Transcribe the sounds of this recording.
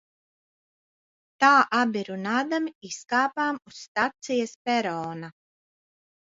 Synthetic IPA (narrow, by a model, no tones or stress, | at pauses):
t̪aːʔabʲiɾunaːd̪amiiskaːpaːmusːt̪at̪sijɐspɛɾɔːna